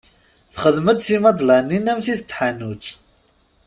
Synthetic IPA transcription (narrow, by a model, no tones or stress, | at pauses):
θχəðməd̪θimɑd̪ˤlanːinæmθiθət̪ːħanːut͡s